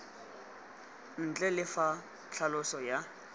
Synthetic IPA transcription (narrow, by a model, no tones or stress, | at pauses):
n̩t͡ɬʼɛlɪfa | t͡ɬʰalʊsɔja